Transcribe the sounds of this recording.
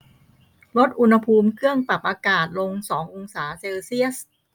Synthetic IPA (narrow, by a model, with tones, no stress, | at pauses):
lo˦˥t̪̚ʔu˧nha˧pʰuː˧mkʰɯ˥˩əŋpla˨˩p̚ʔaː˧kaː˨˩t̪̚lo˧ŋsɔː˩˦ŋʔo˧ŋsaː˩˦se˧wsi˥˩əs